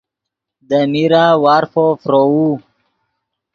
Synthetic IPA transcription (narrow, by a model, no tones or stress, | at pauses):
d̪əmiɾawaːɾfofɾou